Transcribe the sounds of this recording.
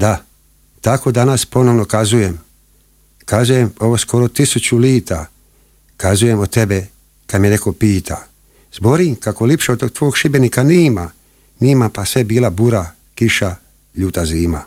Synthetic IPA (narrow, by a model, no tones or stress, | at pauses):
d̪a | t̪ako̞d̪anaspo̞no̞ʋno̞kazuje̞m | kazujemo̞ʋosko̞ɾo̞t̪isut͡ɕuliːt̪a | kazuje̞mot̪e̞be | kad̪mjee̞ko̞piːt̪ʰa | z̥bo̞ɾiŋkako̞lipʃeot̪ot̪ʋoːɡʃibe̞nikaniːma | niːmapasʋe̞biːlabuɾa | kiʃa | ʎuːt̪aziːma̰